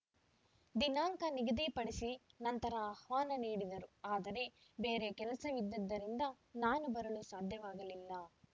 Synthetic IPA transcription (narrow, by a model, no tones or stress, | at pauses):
d̪inaːŋkɐniɡɐd̪ipɐɽisinɐnt̪ɐɾɐːhʋaːnɐniːɽid̪ɐɾuaːd̪ɐɾe̞ | beːɾekɛlɐsɐʋid̪ːɐd̪ːɐɾind̪ɐ | naːnubɐɾɐlusaːd̪ʱjɐʋaːɡɐlilːɐ